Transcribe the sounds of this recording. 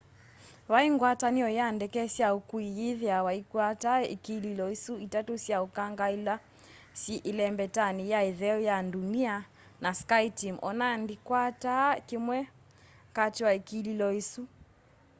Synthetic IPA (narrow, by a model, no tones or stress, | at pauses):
waiŋɡwataniɔjandɛkɛsiaukuiiðjawaikwataḭkililɔisuitatusiaukaŋɡaila | siʔilɛmbɛtanijaiðɛɔjandunia | naskaitimʔɔ̰nandikwatakimwɛ | katiwaikililɔisu